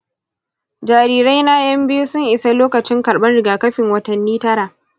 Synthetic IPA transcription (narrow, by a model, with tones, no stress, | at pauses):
d͡ʒaː˨ɾiː˦ɾa˦jna˦jɐ˦mbɪ˦ju˦sʊ˦ŋʔɪ˨sa˦loː˦kɐ˨t͡ʃɪ˦ŋkɐ˨ɽɓɐ˦nɽɪ˨ɡaː˨kɐ˦ɸɪ˨ŋwɐ˦tɐ˨nːiː˦tɐ˦ɾaː˨ʔ